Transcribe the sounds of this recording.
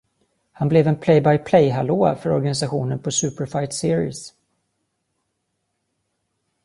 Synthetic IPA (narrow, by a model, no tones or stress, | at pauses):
hanblɛvɛnpʰlɛjbajpʰlɛjɦaloːfœɾɔɾɡanɪs̬aɧuːnənpʰɔsʉ̟ːpəɾfajt̪sɪːɾɪ̰s